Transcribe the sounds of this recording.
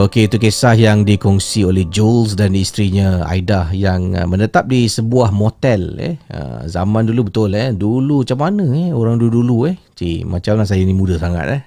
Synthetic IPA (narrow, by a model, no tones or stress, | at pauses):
okeit̪ukesahjaŋdikɔŋsiolɛhd͡ʒols̬danist̪ɾiɲə̃a̰idahjaŋə̰mənət̪ap̚disəbuahmot̪ɛlɛ̰hə̰za̰mandulubət̪ʊlɛhdulumat͡ʃamːanə̃ɛhoɾaŋduuduluɛht͡ʃimat͡ʃamlahs̬ajainimũdəsaŋa̰t̪̚ɛh